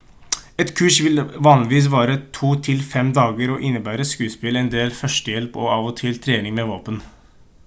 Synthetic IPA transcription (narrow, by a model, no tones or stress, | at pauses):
ɛt̪kʰʉːʂʋɪlʋɑːnlɪʋiːs̬ʋɑːɾət̪ʰuːt̪ʰɪlfɛmd̪ɑːɡəɾɔʔɪnːəbæːɾəskʉːspɪlɛnd̪eːlfœʂʈəjɛlpɔ̰ɑʋɔt̪ʰɪlt̪ʰɾeːnɪŋmeʋoːpən